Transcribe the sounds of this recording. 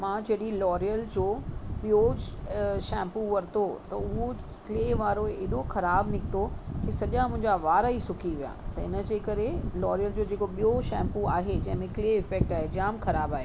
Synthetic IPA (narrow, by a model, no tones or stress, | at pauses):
mãd͡ʑɐɗilɔːɾijəld͡ʑoːɓijod͡ʑʃɛ̃ːmpuʋɐɾt̪ot̪ɐʊɦo | kleːʋaːɾoeːɗoxɐɾaːbnɪkʰɪt̪okesɐʄãmʊ̃ɦɪ̃ɲd͡ʑaʋaːɾaisʊkʰiʋija̰ːt̪ɐɪnə̆d͡ʑeːkɐɾelɔːɾijəld͡ʑoːd͡ʑeːkoɓijoʃɛ̃ːmpua̰ːɦed͡ʑɐ̃ɦɪ̃mẽkleːɪfɛːk̚ʈaːɦed͡ʑaːmxɐɾaːbaːɦeː